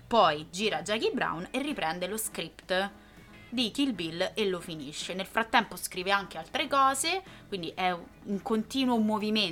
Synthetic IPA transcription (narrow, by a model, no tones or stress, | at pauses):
pɔjd͡ʒiːɾad͡ʒakibɾa̰wnerːipɾɛnd̪eloskɾipt̪ | d̪ikilbilːelːofiniʃːenelfɾat̪ːɛmposkɾiːveaŋk̟ealt̪ɾekɔːzekwind̪iʔɛ | uŋkont̪iːnwomovime